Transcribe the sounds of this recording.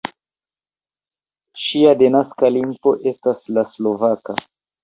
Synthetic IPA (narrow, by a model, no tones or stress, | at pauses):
ʃiadenaskalimpo̞ʔe̞staslaslo̞vaka̰